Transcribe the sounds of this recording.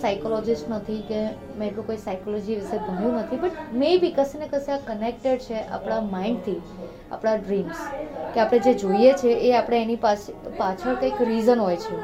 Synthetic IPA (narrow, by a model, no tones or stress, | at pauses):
sajkolɔd͡ʒɪsʈnət̪ʰike | mẽeʈũkoisaikolɔd͡ʒiʋɪsebʱənjũnət̪ʰipəɳmebikəsinekəsiakənek̚ʈeɖt͡ʃʰeʔa̰pɽ̃amaĩɳɖt̪ʰi | a̰pɽ̃aɖɾimskeapɽ̃ed͡ʒed͡ʒoiet͡ʃʰeʔeapɽ̃eenipaspat͡ʃʰəɾkəjkɾizənɦojt͡ʃʰe